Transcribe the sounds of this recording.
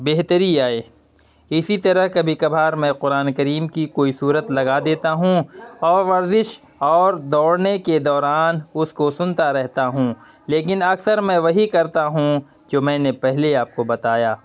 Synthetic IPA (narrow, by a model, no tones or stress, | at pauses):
beɦt̪əɾiaːeː | ɪsit̪ɐɾəɦkɐbʱikɐbʱaːɾmɛ̃qʊɾaːnekɐɾiːmkikoːisuːɾət̪lɐɡad̪eːt̪aɦũɔːɾʋɐɾzɪʃ | ɔːɾd̪ɔːɽneked̪ɔːɾaːnʊskosʊ̃nt̪aɾɛɦt̪aɦũ | leːkɪnɐɡsəɾmɛ̃ʋɐɦikɐɾt̪aɦũ | d͡ʒoːmɛ̃ːnepɛɦleaːp̚kobɐt̪aːjaː